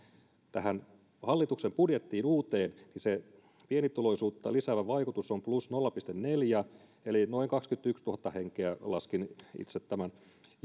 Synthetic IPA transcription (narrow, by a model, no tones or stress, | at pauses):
t̪æɦæn | hɑlːit̪uksempudjet̪ːiːnuːt̪eːnnise | pienit̪uloisuːt̪ːɑ̰lisæːʋæʋɑikut̪usːomplusnolːɑpist̪enneljæ | elino̞iŋkɑkskyt̪ykst̪uhɑt̪ːɑheŋkeælɑskinḭt̪set̪t̪ːæmæn